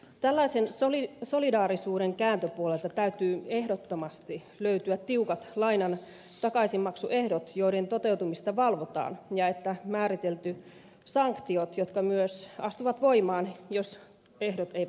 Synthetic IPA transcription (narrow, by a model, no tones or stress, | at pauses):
t̪ælːɑisensoliso̞lidɑːɾisuːɾeŋkæːnt̪øpuolelt̪ɑt̪æyt̪yːe̞hdot̪ːomɑst̪i | løyt̪yæt̪t̪ːiukɑt̪lɑinɑn | t̪ɑkɑisimmɑksuʔehdot̪joident̪ot̪eut̪umist̪ɑʋɑlʋot̪ɑ̰ːnjɑet̪ːæmæːɾit̪elt̪y | sɑŋkt̪iot̪jot̪kɑmyøsɑst̪uʋɑt̪ʋo̞imɑːnjos | ehdot̪eiæ